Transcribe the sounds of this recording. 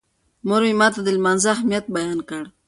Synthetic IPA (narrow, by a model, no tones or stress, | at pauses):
moɾwimɑːt̪ad̪əlmanzaahmijat̪̚bajɑːnkəɽ